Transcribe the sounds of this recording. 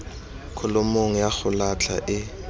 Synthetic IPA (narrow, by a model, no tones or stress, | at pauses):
kʰʊlʊmoŋ̩jaχʊlat͡ɬʰa̰ʔɪ